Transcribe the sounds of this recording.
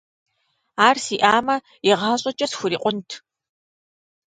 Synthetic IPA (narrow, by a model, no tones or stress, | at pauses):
aːrsiʔaːmɐ | iʁɑːɕʼɐt͡ʃʼɐsxʷʊɾiːqʷʼʊntʰ